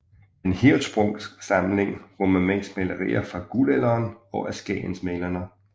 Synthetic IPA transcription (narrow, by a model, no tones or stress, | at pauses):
enhid̥sb̥ʁɔŋsɑ̈mle̝ŋʁoməmen̰̥smelɐʁḭːɐfɑ̈ɡ̥ulelɐːnɒ̽ʔæsɡ̥ɛ̰ːnsmelɐnə